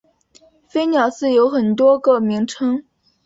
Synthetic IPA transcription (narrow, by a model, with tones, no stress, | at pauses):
fe˥ɪnjɑ˨˩ʊsɹ̩˥˩jo˧˥ʊxə˨˩nt̪wɔ˥kɤ˥˩mi˧˥ŋʈ͡ʂʰɤ˥ŋ